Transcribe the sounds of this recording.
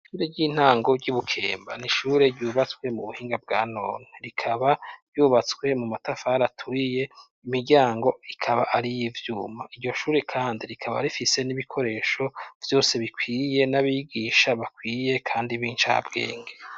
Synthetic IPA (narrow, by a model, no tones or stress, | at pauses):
ʃuːɾe̞ɾɟiːn̥haːŋɡo̞ɾɟuβukʰe̞̰ːmbaniʃuːɾe̞ɾɟuːβat͡swe̞muβuhiːŋɡabɡaːno̞ːneɾikʰaβaɾɟuːβat͡swe̞mumatafaɾatʰuɾije̞ | imiɾɟaːŋɡo̞ikʰaβaʔaɾijivjuːmaiɾɟo̞ʃuːɾe̞kʰaːndiɾikʰaβa̰ɾifise̞niβikʰo̞ɾe̞ːʃo̞v̥jo̞ːse̞βikʰwiːje̞naβiːɡiːʃaβakwiːje̞kʰaːndiβiːnt͡ʃa̰a̰bɡe̞̰ːŋɡe